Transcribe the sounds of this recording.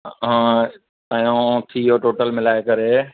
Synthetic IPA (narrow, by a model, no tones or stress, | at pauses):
ɦã | ajõt̪ʰiɦoʈoːʈəlmɪlaːekɐɾe